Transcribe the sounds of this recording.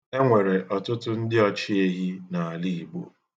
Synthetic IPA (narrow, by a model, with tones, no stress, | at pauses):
e˦ŋʷe˨ɾe˨ʔɔ˨tʊ˦tʊ˦n̩˦dɪ˦ɔ˦t͡ʃi˦e˦ɦi˦na˨a˨li˦i˨ɡ͡bo̰˦˨